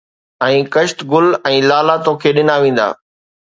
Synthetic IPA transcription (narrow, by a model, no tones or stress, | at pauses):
ɛ̃ːkɐʃt̪ɡʊlɛ̃ːlaːlat̪oːkʰeːɗɪnaːʋẽːn̆d̪a̰ː